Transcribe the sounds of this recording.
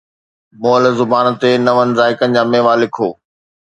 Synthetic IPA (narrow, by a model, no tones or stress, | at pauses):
moːəlzʊbaːnt̪enɐʋənɪ̆zaːɪkənɪ̆d͡ʑaːmeːʋaːlɪkʰoː